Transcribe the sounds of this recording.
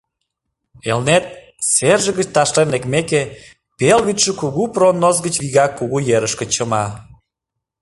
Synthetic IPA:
elnet̪̚ | serʒə̆ɣət͡ɕt̪ɑʃlenlekmeke | pelβit̪ʃəkuɣupronːozɡət͡ɕβiɣɑkːuɣujeɾəʃkə̆t͡ɕəmɑ

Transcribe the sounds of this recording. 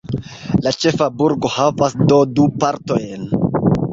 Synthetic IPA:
lat͡ʃe̞fabuɾɡo̞havasdodupaɾto̞jn

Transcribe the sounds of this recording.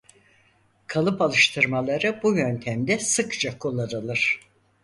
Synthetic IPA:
kʰalˠɯpalˠɯʃt̪ʰɯɾmalˠaɾɯbujø̞nt̪ʰæmd̪ɛsɯkt͡ʃʰakʰolˠaɾɯlˠɯɾ̥

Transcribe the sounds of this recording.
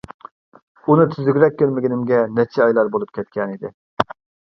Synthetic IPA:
unɨt̪ʰyzyɡʲɾɛk̚ʲːøɾmɪɡʲinɪmɡʲɛnɛt͡ʃʰɛɑjlˠɑɾbolˠup̚kʲʰɛt̪kʲɛnid̪ɪ

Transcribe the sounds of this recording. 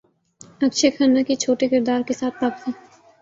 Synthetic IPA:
ɐkʃʰekʰənːakit͡ʃʰoːʈekɪɾd̪aːɾkesaːt̪̚paːpsẽː

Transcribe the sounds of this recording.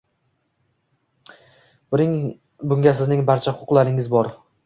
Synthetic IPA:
bɪ | bʊŋɡʲasɪznɪŋbaɾt͡ʃʰahʊqʰʊqlˠaɾɪŋɪzbɒɾ

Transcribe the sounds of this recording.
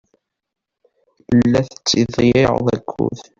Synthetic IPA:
əlːæθə̥t͡sːiðˤijiʁðˤæ̰kʰʷːṵð

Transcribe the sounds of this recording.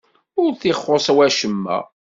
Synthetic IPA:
ʊɾθiχːosˤwæʃəmːæ̰

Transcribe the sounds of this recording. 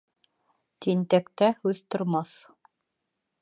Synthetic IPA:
t̪int̪ækt̪æhʉðt̪ŏɾmɑθ

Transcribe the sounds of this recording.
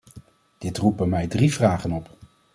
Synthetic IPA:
d̥ɪtrupənmɛjdrivraːχənɔp

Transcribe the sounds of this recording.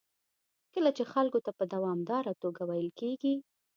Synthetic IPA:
kəlat͡ʃexalkot̪apəd̪awɑmd̪ɑɾat̪oɡawajəlkeɡi

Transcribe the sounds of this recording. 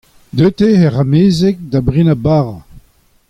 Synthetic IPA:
d̪øt̪eɛʁameːzɛk̚d̪abʁinabaːʁa

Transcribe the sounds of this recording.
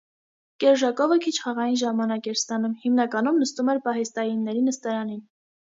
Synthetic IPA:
kɛɾʒɑkɔvəkʰit͡ʃʰχɑʁɑjinʒɑmɑnɑkɛɾst̪ɑnumhimnɑkɑnumnəst̪umɛɾpɑɦɛst̪ɑjinːɛɾinəst̪ɑɾɑnin

